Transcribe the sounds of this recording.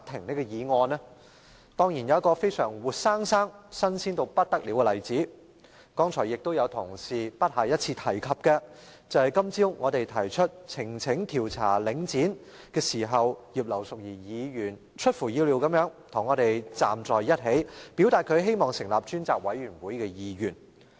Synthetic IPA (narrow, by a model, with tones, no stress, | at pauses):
t̪ʰɪ˨˩ŋne˥jkɔ˧jiː˨˧ŋɔː˧nɛ˥ | t̪ɔː˥ŋji˨˩njɐ˨˧wɐ˥kɔː˧fe˥jsœː˨˩ŋwuː˨t̚saː˥ŋsaː˥ŋsɐ˥nsiː˥nt̪o˧wpɐ˥t̚t̪ɐ˥k̚liː˨˥wkɛ˧lɐ˨jt͡siː˨˥ | kɔː˥ŋt͡sʰɔː˨˩jɪ˨k̚t̪o˥wjɐ˨˧wt̪ʰʊ˨˩ŋsiː˨pɐ˥t̚hɐ˨˩jɐ˥t̚t͡sʰiː˧t̪ʰɐ˨˩jkʰɐ˨p̚kɛ˧ | t͡sɐ˨whɐ˨˩jkɐ˥mt͡siː˥wŋɔː˨˧t̪e˨jt̪ʰɐ˨˩jt͡ʃʰɵ˥t̚t͡sʰɪ˨˩ŋt͡sʰɪ˨˥ŋt̪ʰiː˨˩wt͡sʰa̰ː˨˩lɪ˨˧ŋt͡siː˨˥n | kɛː˧siː˨˩ɦɐ˨wjiː˨p̚lɐ˨˩wsʊ˨k̚jiː˨˩jiː˨˧jyː˨˩n | t͡ʃʰɵ˥t̚fuː˨˩jiː˧wli˨˧wkɐ˨˥mjœː˨˥ŋt̪ʰʊ˨˩ŋːɔː˨˧ɾe˨jt͡sa̰ː˨mt͡sɔː˨jjɐ˥t̚ɦe˨˥jpiː˨˥wt̪aː˨t̚kʰɵ˨˧ɥɦe˥jmɔː˨ŋsɪ˨˩ŋlaː˨p̚t͡ʃyː˥nt͡saː˨k̚wɐ˨˥jyː˨˩nwuː˨˥jkɛː˧jiː˨˧jyː˨˩n